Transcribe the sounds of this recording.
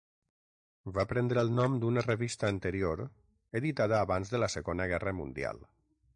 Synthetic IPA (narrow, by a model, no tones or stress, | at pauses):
vapɾɛnd̪ɾəːlˠnɔmd̪unərəβist̪əːnt̪əɾioɾ | eðit̪aðəːβanzðələsəɣonəɣɛrəmund̪ia̰lˠ